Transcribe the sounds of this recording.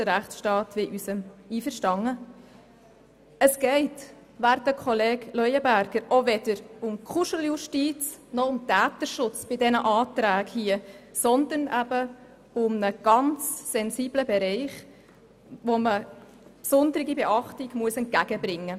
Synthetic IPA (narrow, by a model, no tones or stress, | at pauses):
d̥əɾæχsʃtɑːtʋɪʔysəmiːfəɾʃtɑŋə | əsɡ̥ɛɪt | ʋæɾtəkχɔleːɡlœjəbæɾɡ̥əɾʔoʋɛd̥əɾʊmkʰχuʃəlˠjuʃtiːt͡snɔʊmtæːtəʃʊt͡sb̥ɪdɛnəʔɑːtɾæːkhiəsɔnd̪ənæbə | ʊmnəɡ̥ɑnt͡ssɛnsiːbləbɛɾɛɪχ | ʋomə | psʊnd̪əɾɪɡibɛʔɑχtɪɡ̥muəsɛnt̚ɡæɡ̥əbɾɪŋːə